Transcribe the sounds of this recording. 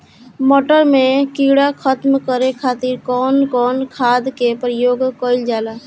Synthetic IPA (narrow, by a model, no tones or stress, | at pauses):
mɔːʈəɾmẽkiɽakʰət̪mkəɾekʰaːt̪iɾkɔːnkɔːnkʰaːd̪kepɾəjoːɡkəɪld͡ʒaːla